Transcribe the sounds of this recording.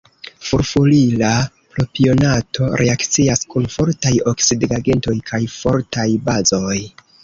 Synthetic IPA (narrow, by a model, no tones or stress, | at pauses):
fuɾfulila | plopio̞natʰo̞ɾʔe̞akt͡siaskunfo̞ɾtajo̞ksidɡaɡe̞nto̞jkʰajfo̞ɾtajbazo̞j